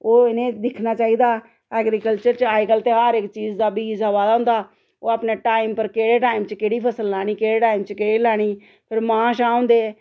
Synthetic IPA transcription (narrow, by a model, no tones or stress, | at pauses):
oːɪnẽːd̪ɪkʰnaːt͡ʃaːiːd̪aː | ɛːɡɾiːkəlt͡ʃəɾt͡ʃaːikəlt̪eːɦaːɾɪkt͡ʃiːzd̪aːbiːzaʋaːd̪aɦʊ̃nd̪aː | oːaːpneːʈaːimpəɾkeːɽeːʈaːimt͡ʃkeːɽiːpʰəsəlːaːɽ̃iːkeːɽeːʈaːimt͡ʃkeːɽiːlaːɽ̃iː | pʰɪɾmãːʃãːõːnd̪eː